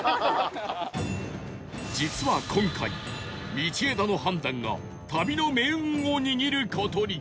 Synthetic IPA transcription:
d͡ʑit͡sɨβakʰõ̞ŋkʰai | mʲit͡ɕied̪ano̞ɦãnd̪ãŋɡa̰ | t̪abʲino̞mẽ̞oɲ̟iɲiɾɯ̟kʰot̪oɾʲi

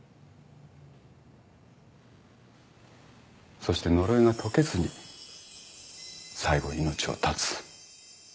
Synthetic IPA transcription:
so̞ɕi̥t̪e̞no̞ɾo̞iŋat̪ʰo̞ke̞zɨɲ̟i | saiɡo̞̰ino̞t͡ɕio̞̰t̪ʰat͡sɨ̥

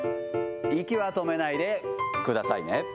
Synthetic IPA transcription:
ikʲiβat̪o̞me̞naid̪e̞kɯ̟d̪asaine

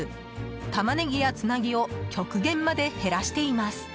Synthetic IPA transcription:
t̪amaneɡʲijat͡sɨnaɡʲio̞kʲo̞kɯ̟ɡẽ̞mːad̪e̞he̞ɾaɕi̥t̪e̞imasɨ̥

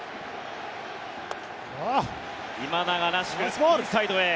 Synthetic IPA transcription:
a | imanaɡanaɕi̥kɯ̥sait̪oe

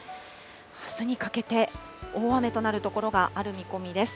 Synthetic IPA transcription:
asɨɲ̟ikake̞t̪e̞ | o̞ːβame̞t̪o̞naɾɯ̟t̪o̞ko̞ɾo̞ɡaʔaɾɯ̟mʲiko̞mʲid̪e̞sɨ̥

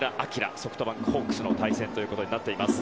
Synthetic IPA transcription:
ɾaʔakʲiɾa̰so̞ɸɯ̟t̪o̞bãŋkhoːkːɯ̟̥sɨno̞t̪aisẽ̞nt̪o̞jɯ̟ko̞t̪o̞ɲ̟inat̪ːe̞imasɨ̥

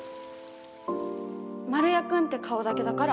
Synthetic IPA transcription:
maɾɯ̟jakɯ̟̃nt̪e̞kʰao̞d̪ake̞d̪akaɾa

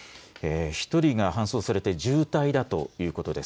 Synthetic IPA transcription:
eːçi̥t̪o̞ɾʲiɡahãɰ̃so̞ːsaɾe̞t̪e̞ʑɨːt̪aid̪at̪o̞̰jɯ̟ːko̞t̪o̞d̪e̞s

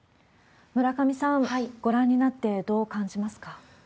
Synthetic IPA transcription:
mɯ̟ɾakamʲisãŋɡ̥o̞ɾãɲ̟ːinat̪ːe̞d̪o̞ːkãɲ̟d͡ʑimasɨ̥ka

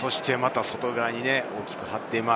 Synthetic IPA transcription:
so̞ɕi̥t̪e̞mat̪aso̞t̪o̞ɡaɲ̟ine̞o̞ːkʲi̥kɯ̟hat̪ːe̞ima

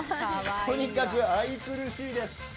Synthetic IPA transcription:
t̪o̞ɲ̟ikakɯ̟ait͡sɨɾɯ̟ɕiːd̪e̞sɨ̥

